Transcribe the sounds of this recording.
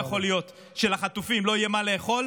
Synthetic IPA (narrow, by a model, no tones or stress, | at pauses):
χo̞lijo̞t̪ | ʃe̞laχat̪ufimlo̞ijemale̞ːχo̞l